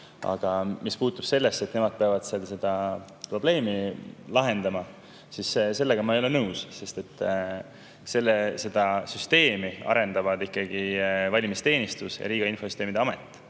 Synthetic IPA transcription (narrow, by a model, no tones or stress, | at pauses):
ɑ̰ɡ̥ɑmispuːt̪ːˑub̥se̞lːesːe̞t̪ːnemɑd̪̚peɑvɑd̪̥selse̞d̪̥ɑ | pro̞ble̞ːmilɑɦe̞nd̪̥ɑmɑ | sisse̞lːe̞ɡ̥ɑmɑejo̞le̞nɤwsse̞st̪e̞t̪ːˑ | se̞lːese̞d̪̥ɑsyst̪e̞ːmiɑ̰ɾe̞nd̪ɑvɑd̪ikˑːɑɡ̥ivɑlʲimist̪e̞ːnist̪usjɑ̰ɾiːɡ̥ɑinfo̞sy̥st̪eːmid̪eɑme̞t̪ːˑ